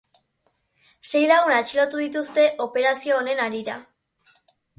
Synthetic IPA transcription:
se̞jlaɣ̞unat͡ʃiɾo̞t̪uðit̪ust̪e̞ʔo̞pe̞ɾasio̞ːne̞naɾiɾa

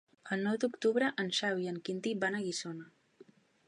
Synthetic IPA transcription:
əlˠnɔwd̪ukt̪uβɾəʔənʃawiəŋkint̪ibanəɣisonə

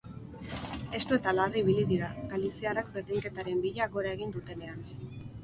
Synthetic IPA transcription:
e̞st̪ue̞t̪alariiβ̞iliðiɾaɡalisiarak̚be̞ɾðiŋke̞t̪aɾe̞mbiʎaɣo̞ɾae̞ɣ̞ind̪ut̪e̞ne̞an

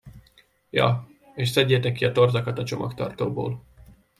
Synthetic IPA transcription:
jɒ̰ | eːʃsɛɟːeːt̪ɛkːiɒt̪o̞rzɒkɒt̪ɒt͡ʃo̞mʔɒkt̪ɒ̰rt̪oːbo̰ːl

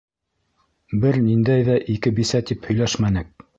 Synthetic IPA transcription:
bɘɾnind̪æjðæʔikɘbisæt̪iphɵ̆jlæʃmænɘk̚

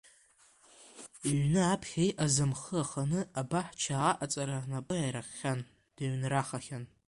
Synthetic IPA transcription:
ɥnɨapʰχʲejʔazɨmχəaχanɨabaħt͡ʃʰaːʔat͡sʼaɾanapʼɨajɾaχʲan | d̥aɥnraχaχʲan

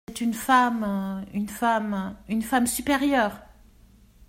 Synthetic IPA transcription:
ɛt̪ynfamynfamynfamsypeʁjœːʁ

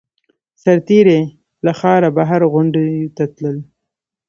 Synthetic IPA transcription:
saɾt̪iɾe | laxɑɾabaɦaɾɣʊɳɖjut̪at̪ləl

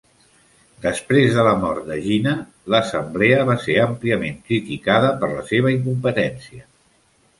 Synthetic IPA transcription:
d̪əspɾezðələmɔɾt̪̚d̪əʒinə | ləsəmblɛəβaseɾəmpliəmeŋkɾit̪ikaðəpəɾləseβ̞əiŋkumpət̪ɛnsiə

